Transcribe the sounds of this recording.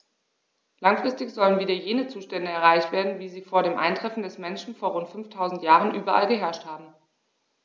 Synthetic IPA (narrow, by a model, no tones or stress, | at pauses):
laŋfʁ̥ɪstɪçz̥ɔlənviːdɐjeːnət͡suːʃtɛndəɛɐʁaɪçtv̥eːɐdn̩viːziːfoːɐɾeːmʔa̰ɪntʁ̥ɛfn̩dɛsmɛnʃn̩foːɐʁʊntfʏnftʰaʊzn̩tjaːʁənʔyːbɐʔa̰lɡəɦɛɐʃthaːbm̩